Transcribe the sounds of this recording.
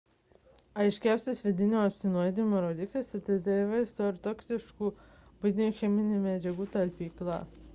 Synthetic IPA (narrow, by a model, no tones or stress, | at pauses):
ɐɪʃʲkʲæˑʊsʲt̪ʲɪsʋʲɪd̪ʲɪnʲoːɐpʲsʲɪnojd̪ʲimoɾoːd̪ʲɪklʲɐsʲɛt̪ɐɪd̪ɐiʋɐɪzd̪oːɾt̪ɔːksʲɪʃkuːbʊɪd̪ʲɪnʲuːxʲɛmʲɪnʲemʲæd͡ʒʲɛɡuːt̪ɐlʲpʲiːklˠɑ̰